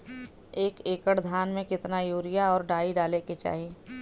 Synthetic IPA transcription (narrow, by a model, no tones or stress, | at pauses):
eːkeːkəɽd̪ʱaːnmẽkɪt̪najuːɾɪjaɔːɾɖaːiɖaːleket͡ʃa̰ːɦi